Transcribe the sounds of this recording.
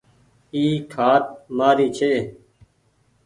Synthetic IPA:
iːkʰaːt̪̚maːɾiːt͡ʃʰeː

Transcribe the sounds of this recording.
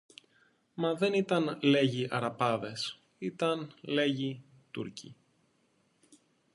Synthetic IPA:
mɐðe̞nit̪ɐnle̞ʝiʔɐɾɐpɐðe̞s | it̪ɐnle̞ʝi | t̪ṵɾcʰḭ

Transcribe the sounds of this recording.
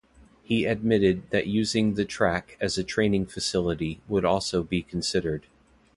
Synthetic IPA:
hiɨd̚mɪɾɨd̪̚ðɨʔjʉzɪ̃ŋðɨtʰɹ̥ækɨzɨtʰɹ̥ẽɪ̃nɪ̃ŋfɨsɪlˠəɾiwəɾɔlˠsoʊbikʰn̩sɪɾə˞d̥

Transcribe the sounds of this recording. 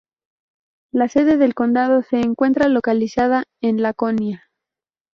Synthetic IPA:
lase̞ðe̞ðe̞lko̞nd̪að̞o̞se̞ːŋkwe̞nt̪ɾalo̞kalisað̞ae̞nlako̞nja

